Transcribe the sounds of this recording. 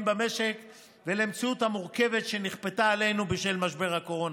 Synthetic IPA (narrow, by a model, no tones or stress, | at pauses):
mbame̞ʃek | velemt͡siuthamuʁke̞ve̞tʃe̞niχpetaːle̞jnubiʃelmaʃbe̞ʁhako̞ʁon